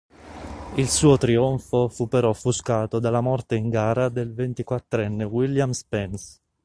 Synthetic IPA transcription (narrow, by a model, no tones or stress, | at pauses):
ilsuːot̪ɾioɱfofupːeɾɔfːuskaːt̪od̪alamɔrt̪eiŋɡaːɾad̪elvent̪ikwat̪ːɾɛnːewiljamspɛns